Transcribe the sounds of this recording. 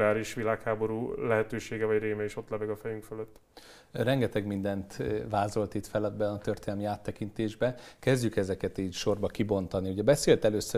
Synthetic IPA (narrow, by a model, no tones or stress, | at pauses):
aːɾiʃʋilaːkhaːbo̞ɾuːlɛɦɛt̪øːʃeːɡɛvɒɟreːmɛeːʃo̞t̪lɛvɛɡɒfɛjyŋkføløt̪ː | rɛŋɡɛt̪ɛɡmind̪ɛnt̪vaːzo̞lt̪it̪fɛlɒd̪̚bɛɒt̪ørt̪eːnɛlmiaːt̪ːɛkint̪eːʒbɛkɛzɟykɛzɛkɛt̪iːcʃo̞rbɒkibo̞nt̪ɒnihuɟɛbɛseːlt̪ɛløːsːø